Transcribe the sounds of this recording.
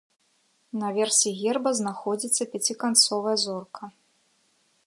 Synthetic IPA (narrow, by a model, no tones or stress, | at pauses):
nɐvʲɛrsʲiɣʲɛrbɐznaxɔd͡zʲit̪sːɐpʲat͡sʲikant̪sɔvɐjɐzɔrkʰɐ